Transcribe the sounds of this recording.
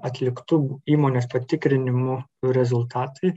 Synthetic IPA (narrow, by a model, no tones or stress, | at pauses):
ɐt̪ʲlʲɪkt̪ʊbʊiːmoːnʲeːspɐt̪ʲɪkɾʲɪnʲɪmʊɾʲɛzʊlˠt̪ɑːt̪ɐɪ